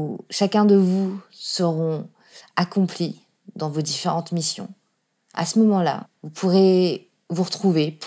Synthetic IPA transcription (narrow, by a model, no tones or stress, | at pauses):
ʃakʲɛ̃d̪əvusəʁɔ̃ | akɔ̃pli | d̪ɑ̃vod̪ifeʁɑ̃t̪misjɔ̰̃ | a̰səmɔmɑ̃la̰vupʰuʁe | vuʁət̪χuvep